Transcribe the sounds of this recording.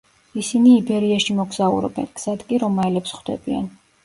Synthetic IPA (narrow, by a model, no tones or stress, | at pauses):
isiniːbɛɾiaʃimɔɡz̥aṵɾɔ̰bɛ̰nɡz̥ad̪kʼiɾɔmːaɛlɛpsχd̪ɛ̰b̥ia̰n